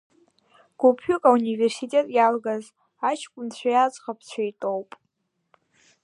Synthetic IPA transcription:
ɡ̥ʷupʰɥʊkʼauniversitʼe̞tʼjalɡaz | at͡ʃʰkʷʼʊnt͡ɕʷʰajad͡zʼχapʰt͡ɕʷʰajtʼowpʼ

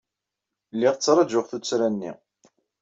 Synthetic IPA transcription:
lːɪʁt͡sːɾˤɑd͡ʒʊʁθut͡sːɾænːḭ

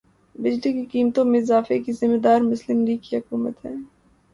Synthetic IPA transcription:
bɪd͡ʒlikikiːmt̪õmẽɪzaːfekizɪmːed̪aːɾmʊslɪmliːɡ̚kiɦɐkuːmət̪ɦɛ̰ː

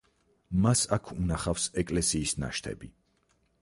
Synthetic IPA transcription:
masakʰunaχafsɛkʼlɛsiːsna̰ʃt̪ʰɛ̰bi

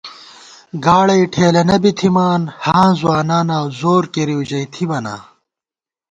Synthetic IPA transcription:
ɡaːɭɐiʈʰeːlɐnɐbit̪ʰimaːnhãːzwaːnaːnaːwzoːɾkeɾiud͡ʑɐit̪ʰibɐna̰ː

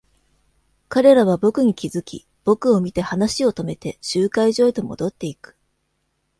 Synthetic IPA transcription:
kaɾe̞ɾaβ̞abo̞kɯ̟ɲ̟ikʲizɨkʲḭ | b̥o̞kɯ̟o̞mʲit̪e̞hanaɕio̞t̪o̞me̞t̪e̞ɕɨːkaiʑo̞ːit̪o̞mo̞̰d̪o̞t̪ːe̞ikɯ̥

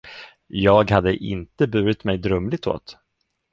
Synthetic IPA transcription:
jɑːɡhad̪ːəʔɪ̰nt̪əbʉ̟ːɾɪt̪mɛjd̪ɾœmlɪɡ̚t̪ʰo̰ːt̪

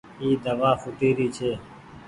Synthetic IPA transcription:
iːd̪əʋaːfʊʈ̪iːɾiːt͡ʃʰeː

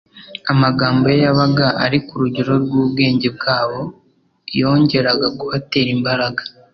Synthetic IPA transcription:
amaɡaːmbo̞jejaβaɡaʔa̰ɾikuɾuɟeɾo̞ɾɡuːb̚ɡe̞ːɲɟe̞b̚ɡaːβo̞ | jo̞ːɲɟe̞ɾaɡaɡuhate̞ɾimbaɾaɡḁ

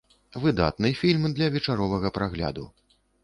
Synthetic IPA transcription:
vɨd̪a̰t̪nɨjfʲilʲmd̪lʲɐvʲɛt͡ʂaɾɔvɐɣɐpɾaɣlʲa̰d̪ṵ

